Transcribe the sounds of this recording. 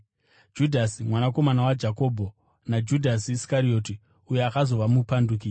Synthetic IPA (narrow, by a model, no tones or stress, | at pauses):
d͡ʒudʱasimwanako̞manawad͡ʒako̞ːbʱo | nad͡ʒudʱasiːskaɾio̞ːti | uje̞akazo̞ʋamupanduk̬i